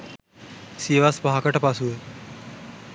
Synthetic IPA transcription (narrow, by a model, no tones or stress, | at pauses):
siːʋaspaɦakəʈpasue